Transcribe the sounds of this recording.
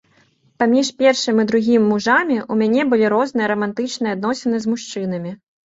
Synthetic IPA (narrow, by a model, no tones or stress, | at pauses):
pamʲiʂpʲɛrʂɨmʲid̪ɾuɣʲimʲːuʐamʲiʔumʲanʲɛbɨlʲiɾɔznɨjɐɾɐmant̪ɨt͡ʂnɨjɛad̪nɔsʲɛnɨzʲmuʂt͡ʂɨn̪ɐmʲi